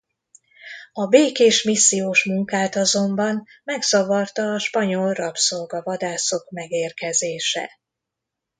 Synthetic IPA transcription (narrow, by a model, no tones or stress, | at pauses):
ɒbeːkeːʃmisːijoːʃmuŋkaːt̪ɒzo̞mbɒnmɛɡz̥ɒvɒrt̪ɒːʃpɒɲo̞lrɒpsolɡɒvɒd̪aːso̞kmɛɡeːrkɛzeːʃɛ̰